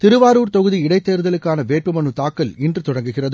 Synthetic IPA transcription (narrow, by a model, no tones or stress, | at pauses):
t̪ɪɾɯʋaːɾuːɾt̪ɔɣɯðiɪɽɐɪt̪ːeːɾɯðɐlɯkːaːnɐʋeːʈ̚pɯmɐɳɯt̪aːkːɐlɪndrɯt̪ɔɽɐŋɡɯɣɪrɐð